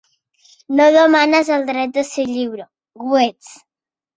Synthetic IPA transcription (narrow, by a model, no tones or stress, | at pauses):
noðəmanazəlˠd̪ɾɛt̪̚d̪əseʎiβɾo | ɣwet͡s